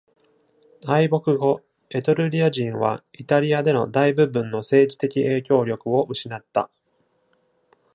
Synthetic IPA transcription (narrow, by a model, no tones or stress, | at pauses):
aibo̞kɯ̟ɡo̞ | e̞t̪oɾɯ̟ɾʲiaʑĩɰ̃βa̰it̪aɾʲiad̪e̞no̞d̪aibɯ̟bɯ̟̃nːo̞se̞ːʑit̪e̞kʲiʔe̞ːkʲo̞ːɾʲo̞kɯ̟o̞mɯ̟ɕinat̪ːa̰